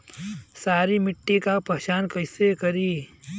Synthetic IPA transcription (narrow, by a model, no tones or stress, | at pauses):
saːɾimɪʈːikapɐt͡ʃaːnkɐɪsekəɾiː